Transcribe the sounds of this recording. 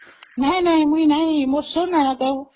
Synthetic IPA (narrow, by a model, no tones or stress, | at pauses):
nainaimwinamɔsɔnanaka